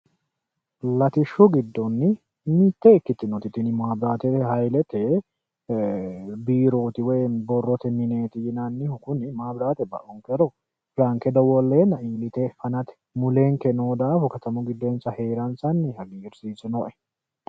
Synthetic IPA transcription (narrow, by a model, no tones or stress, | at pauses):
lɐt̪ɪʃːʊɡɪd̪ːɔnːɪ | mit̪ːɛɪkːɪt̪ːɪnɔt̪ɪt̪ːɪnɪmaːbɾaːt̪ɛhɐjlɛt̪ɛ | biːɾo̞ːt̪ɪwɛjbɔrːɔt̪ɛmɪne̞ːt̪ɪjɪnanːɪhʊkʊnɪmaːbɾaːt̪ɛbɐ̰ʔɔŋkɛɾɔ | fɾaŋkɛd̪ɔwɔlːeːnɐʔiːlɪt̪ɛfɐnɐt̪ɛ̥mʊleːŋkɛnoːd̪aːfʊkɐt̪ɐmʊɡɪd̪ːɔːnsɐhe̞ːɾɐnsɐnːɪhɐɡiːɪɾsiːsɪnɔʔɛ̥